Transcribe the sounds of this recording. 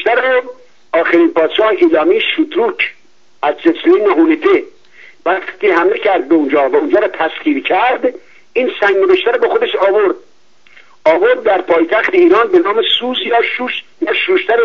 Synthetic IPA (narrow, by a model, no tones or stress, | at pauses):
ʃt̪æɾ | ɒːxeɾiːnpʰɒːd̪̥ʃɒːheʔiːlɒːmiːʃut̪ɾuːkʰ | æzd͡ʒesniːneɦunet̪ʰe | væxt̪iːhæmlecʰæɾd̪̚beund͡ʒɒːvæund͡ʒɒːɾɒːt̪ʰæsχiːɾcʰæɾd̪ | iːnsæŋɡneveʃt̪æɾɔbexod̪eʃɒːvoɾd̪̚ | ɒːvoɾd̪̚ːæɾpʰɒːjt̪ʰæxt̪ʰeiːɾɒːnbenɒːmesuzjɒːʃuːʃ | næʃuːʃt̪ʰæɾ